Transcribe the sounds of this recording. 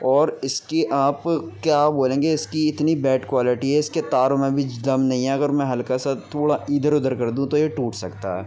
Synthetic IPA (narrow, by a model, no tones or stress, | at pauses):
ɔːɾɪskiʔaːpkjaːpboːlẽːŋɡeɪskiɪt̪nibɛːʈkwaːlɪʈiɦɛɪsket̪aːɾõmẽbʱit͡ʃd̪ɐmnɐɦĩɦɛ̃ɐɡəɾmɛ̃ɦɐlkasat̪ʰoːɽaʔiːd̪ʱəɾʊd̪əɾkɐɾd̪ũt̪ojeʈuːʈsɐkt̪a̰ɦɛ̰ː